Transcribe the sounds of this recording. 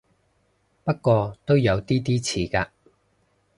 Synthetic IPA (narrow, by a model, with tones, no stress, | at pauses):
pɐ˥t̚kːɔː˧t̪o˥wjɐ˨˧wt̪iː˥t̪iː˥t͡sʰiː˨˧kaː˧